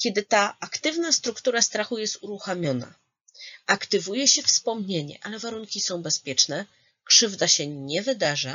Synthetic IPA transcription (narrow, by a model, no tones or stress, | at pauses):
kʲɛd̪ɘt̪aakt̪ɘvnast̪ɾukt̪uɾast̪ɾaxujɛst̪uɾuxamʲjɔna̰ | akt̪ɘvujɛɕɛfspɔmɲeɲɛ̰ʔalɛvaɾuŋkʲisɔ̃w̃bɛspʲjɛt͡ʂnɛ | kʂɘvd̪aɕɛɲɛvɘd̪aʐa